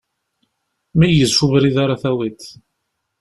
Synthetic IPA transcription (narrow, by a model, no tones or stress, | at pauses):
mæjəzʃuvɾiðaɾˤaθæwit̪